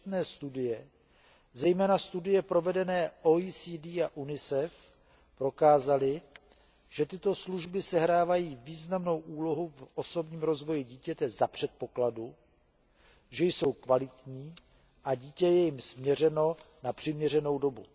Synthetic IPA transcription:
t̪nɛːst̪udɪjɛ | zɛjmɛːnast̪udɪjɛpɾo̞vɛdɛnɛːʔoisiːdiːaʔunɪsɛf | pɾo̞kaːzalɪ | ʒ̥ɛt̪ɪt̪o̞sluʒbɪsɛɦɾaːvajiːviːznamno̞wʔuːlo̞ɦufʔo̞so̞bɲiːmɾo̞zvo̞jɪɟiːcɛt̪ɛzapr̥ɛt̪̚po̞kladu | ʒɛjso̞wkvalɪt̪ɲiː | ʔaɟiːcɛjɛjɪmsmɲɛr̝ɛno̞ | napr̥ɪmɲɛr̝ɛno̞wdo̞bu

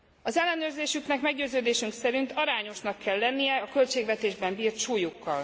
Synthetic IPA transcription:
ɒzɛlːɛnøːrzeːʃyknɛkmɛɡɟøːzøːd̪eːʃyŋksɛɾint̪ɒɾaːɲo̞ʃnɒkʰːɛlːɛnːijɛɒkø̞lt͡ʃeːɡvɛt̪eːʒbɛmbiːrt̪ʃuːjukːɒl

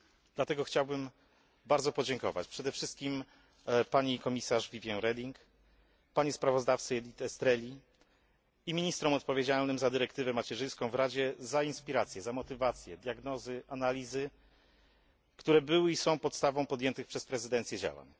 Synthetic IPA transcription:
d̪lat̪ɛɡɔxt͡ɕawbɘm | baɾd̪zɔpɔd͡ʑɛŋkɔ̰va̰t͡ɕpʂɛd̪ɛfʂɘst̪̚kʲim | paɲikɔmʲisaʐvʲivʲjɛɾɛd̪ʲiŋk | paɲɛspɾavɔzd̪aft̪sɨɛlʲit̪ɛst̪ɾɛlʲi | imʲiɲist̪ɾɔmɔt̪̚pɔvʲjed͡ʑalnɘmzad̪ɘɾɛkt̪ɘvɛmat͡ɕɛʐɘ̃j̃skɔ̃w̃vɾad͡ʑɛzainspʲiɾat̪sʲjɛzamɔt̪ɘvat̪sʲjɛd̪ʲjaɡnɔzɘʔanalʲizɘ | kt̪uɾɛbɘwɘisɔ̃w̃pɔt̪st̪avɔ̃w̃pɔd̪jɛnt̪ɘxpʂɛspɾɛzɘd̪ɛnt̪sʲjɛd͡ʑa̰wa̰ɲ

